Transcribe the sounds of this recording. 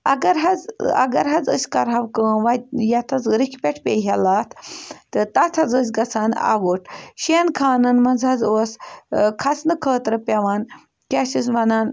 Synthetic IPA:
ɐɡɐɾɦad͡zɐ̰ɡɐɾɦad͡zə̰skaɾɦaʋkənʋajat̪ʰat͡sɾikʰʲpʲeʈʰpʲeɦɛlat̪ʰt̪ət̪at̪ʰad͡zəs̬ʲɡɐt͡sʰana̰ʋəʈɕenkʰaːnɨnmɐnd͡zʱad͡zəskʰat͡snɨkʰəːt̪ɾəpʲeʋan | kʲasisʋɐnan

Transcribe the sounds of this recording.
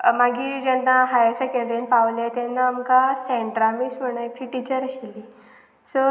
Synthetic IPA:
maɡiːd͡ʑɛnːaɦajəsakeɳɖɾenpaʋlet̪ɛnːaːmkasɛ̃ɳʈɾamiːsm̤əɽ̃akɾiʈit͡ɕəɾəɕilːiː | sə

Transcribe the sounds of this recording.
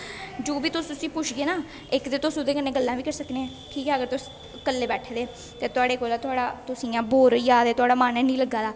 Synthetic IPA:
d͡ʒoːbiːt̪ʊssĩːpʊt͡ʃʰɡeːnaː | ɪkd̪eːt̪ʊsʊd̪eːkənːeːɡəlːãːʋiːkəɾsəkneɛ̃ː | ʈʰiːkɛːəɡəɾt̪ʊs | kəlːeːbɛːʈʰeːd̪eː | t̪eːt̪ʊaːɽeːkoːlaːt̪ʊaːɽaːt̪ʊsiːãːboːɾjaːd̪eːt̪ʊaːɽaːmaːnɛ̃ːnĩːləɡːaːd̪aː

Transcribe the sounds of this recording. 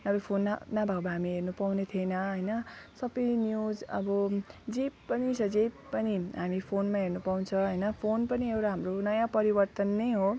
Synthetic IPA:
ʌbʌpʰonːanabʱaɡbaɦamiɦernupawnet̪ʰienʌɦʌjnʌsʌbʌjnjud͡zʌ̰bʌd͡zipːʌnisʌd͡zʌjpːʌniɦamipʰonmaɦernupawnt͡sʰʌ̃ɦʌjnʌpʰonpʌniewɾaɦamronʌjãpʌɾibʌrt̪ʌnːejɦo

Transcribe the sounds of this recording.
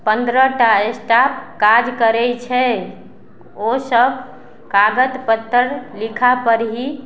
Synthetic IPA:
pənd̪ɾəʈaesʈap̚kad͡ʒkəɾɛt͡ʃʰɛ | osəb | kaɡət̪pət̪ːəɾlikʰapəɾɦi

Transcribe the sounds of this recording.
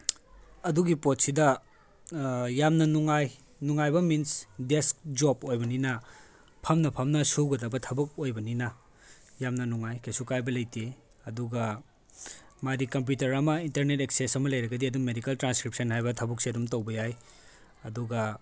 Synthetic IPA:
ɐduɡipot̚sidɐ | jamnɐnuŋaj | nuŋajbɐminsdesk̚d͡ʒopojbɐninɐ | pʰɐmnɐpʰɐmnɐsuwɡɐdɐbɐtʰɐbɐk̚ojbɐninɐ | jamnɐnuŋajkʰesukajbɐlɐjte | ɐduɡɐ | madikɐmp̬jutɐɾɐmɐintɐɾneteksesɐmɐlɐjɾɐɡɐdiɐduŋmedikɐltɾanskɾip̚sɐnhajbɐtʰɐbuk̚siɐdumtowbɐjaj | ɐduɡɐ

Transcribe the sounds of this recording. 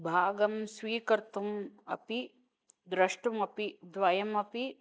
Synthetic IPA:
bʱaːɡɐmsʋiːkɐɾt̪umɐ̰pi | d̪ɾɐʂʈɐmɐpid̪ʋɐjɐmɐpi

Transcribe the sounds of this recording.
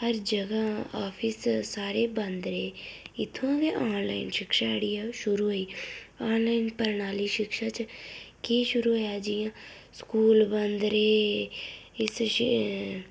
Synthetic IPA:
həɾd͡ʒəɡaːaːpʰɪssaːɾeːbənd̪ɾeːɪt̪ʰːõːɡeːʔaːnlaːinʃɪkʃaːɽiːaːʃʊɾuːɦoiːaːnlaːinpəɾnaːliːʃɪkʃaːt͡ʃkiːʃʊɾuːɦojaːd͡ʒijãːskuːlbənd̪ɾeː | ɪsʃ

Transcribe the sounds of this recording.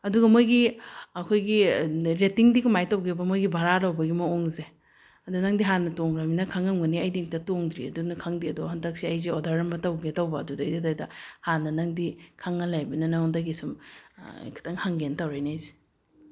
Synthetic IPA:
ɐduɡɐmojɡiɐkʰojɡiɾetiŋdikumajtɐwɡebɐmojɡibʱaɾalawbɐɡimɐoŋze | ɐdunɐŋdiɦanɐtoŋɾaminɐkʰaŋɐŋɡɐniɐjdiŋtɐtoŋdɾḭɐ̰dunɐkʰaŋdiɐdohandak̚siɐjziodaɾɐmbɐtawɡetawbɐːdudajdadajdɐhanːɐnaŋdikʰaŋːɐlajbɐnɐnandaɡisum̰ | kʰi̥tʰaŋhaŋɡentawɾajnajzi̥

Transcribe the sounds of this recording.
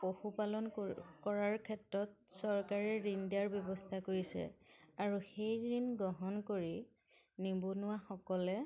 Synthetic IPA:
poxupalɔnkɔɹaɹkʰɛtɹɔt̚sɔɹkaɹɛɹindiaɹbjɔbɔstʰakoɹisɛ̰aɹuxejɹinɡɔɦɔnkoɹi | nibonʊwaxɔkɔlɛ

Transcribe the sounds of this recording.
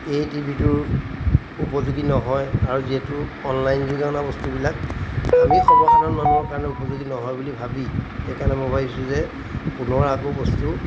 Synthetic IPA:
ejtibʱitʊɹ | upɔzuɡinɔɦɔjaɹuziɦetʊɔnlajnzuɡaɔnabɔstubilak̚amixɔmɔsadɔnmanuɦɔɹkaɹɔnɛupɔzuɡinɔɦɔjbulibʱabixejkanɛmɔbʱabisũzɛ | punɔɹakobɔstu

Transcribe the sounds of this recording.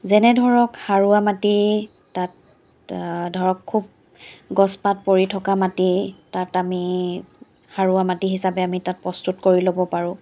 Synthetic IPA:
zɛnɛdʱɔɹɔkhaɹuamati | tat̚ | dʱɔɹɔkʰːub̚ | ɡɔspat̚poɹitʰɔkamatitatami | haɹuamatiɦisapɛamitat̚pɹɔstutkoɹilobɔpaɹʊ̃

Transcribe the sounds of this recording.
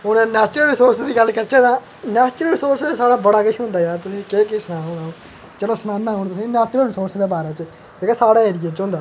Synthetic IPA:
ʊnẽːnɛːt͡ʃɾəlɾɪsoːɾsd̪iːɡəlkəɾt͡ʃẽːt̪ãː | nɛːt͡ʃɾəlɾɪsoːɾsasaːɽaːbəɽaːɡəiɦʊ̃nd̪aːjaːt̪ʊsĩːkeːkɪsnãːɦoːɽã | t͡ʃəlõːsnaːnːãːoːɽ̃t̪ʊsĩːnɛːt͡ʃɾəlɾɪsoːɾsd̪eːbaːɾeːt͡ʃ | eːkɛːsaːɽaːeːɾɪjeːt͡ʃõnd̪aː

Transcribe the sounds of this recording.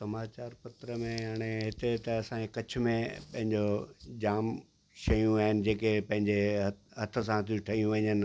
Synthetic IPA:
sɐmaːt͡ɕaːɾpɐt̪ɾəmẽjaːɽ̃eɦɪt̪et̪ɐɐsãɲd͡ʑekɐt͡ɕʰʊ̆mẽpɐ̃ɦɪ̃ɲd͡ʑod͡ʑaːm | ʃɐjũaːɦɪnɪ̆d͡ʑeːkepɐ̃ɦɪ̃ɲd͡ʑeɦɐt̪ʰə̆s̬ãt̪ʰiũʈʰɐɦijũʋɐɲənɪ̆

